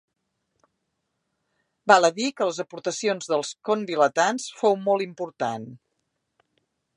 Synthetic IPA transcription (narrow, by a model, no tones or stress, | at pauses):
balˠəðikələzəpuɾt̪əsionzðəlˠskondilət̪ansfowmolˠimpuɾt̪an